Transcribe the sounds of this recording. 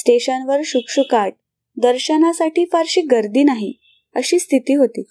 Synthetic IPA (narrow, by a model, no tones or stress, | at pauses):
sʈeɕənʋəɾɕukʂukaʈ̚ | d̪əɾɕənasaʈiːfaɾɕiːɡəɾd̪iːnaɦi | əɕiːst̪ʰit̪iːɦot̪iː